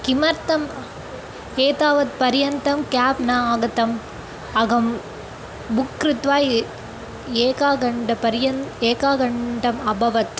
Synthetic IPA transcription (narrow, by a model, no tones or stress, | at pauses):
kɪmɐɾt̪ɐm | eːt̪aːʋɐt̪̚pɐɾjɐnt̪ɐmkaːpnaːɡɐt̪ɐm | ɐɣɐm | bʊkːɾɪt̪ʋaːj | eːkaːɡɐɳɖɐpɐɾɪjɐneːkaːɡɐɳɖɐmɐbɐʋɐt̪